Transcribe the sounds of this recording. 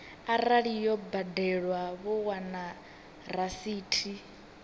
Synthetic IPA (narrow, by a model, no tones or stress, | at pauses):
aɾaɺijɔbadɛɺwaβɔwana | rɾasiːtʰi